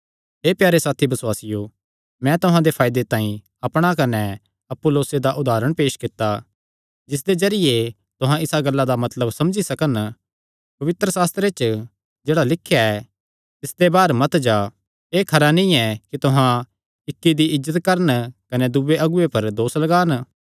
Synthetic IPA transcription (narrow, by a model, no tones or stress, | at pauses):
ɦeːpjaːɾesaːt̪ʰibɐswaːsɪjo | mɛ̃t̪ʊɦãd̪epʰaːjd̪et̪ãːĩ | ɐpɽ̃akɐnɛ | ɐpːoloːsed̪aʔʊd̪aːɾəɽ̃peːʃkɪt̪ːa | d͡ʒɪs̬d̪ezɐɾɪje | t̪ʊɦãɪsaɡɐlːad̪amɐt̪ləbsɐmd͡ʒisɐkən | pɐʋɪt̪ɾəsaːst̪ɾet͡ʃ | d͡ʒeːɽalɪkʰːjaɛ | t̪ɪsd̪ebaːɾmɐt̪d͡ʒa | eːkʰɐɾanĩɛkit̪ʊɦã | ɪkːid̪iɪzːət̪kɐɾənkɐnɛd̪ʊʋeʔɐɡʊepɐɾd̪oːslɐɡaːn